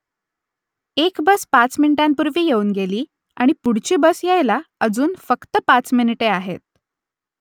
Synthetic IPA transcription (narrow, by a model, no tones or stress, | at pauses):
ekbəspat͡sminiʈampuɾʋiːjeuːnɡeliː | a̰ɽ̃ipuɽ̤t͡ɕiːbəsjajlaəd͡zuːnfəkt̪əpat͡sminiʈeaɦḛt̪̚